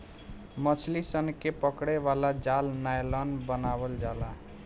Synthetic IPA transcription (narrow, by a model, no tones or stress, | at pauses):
mət͡ʃʰlisənkepəkɽeβalad͡ʒalnajlənbənabəld͡ʒala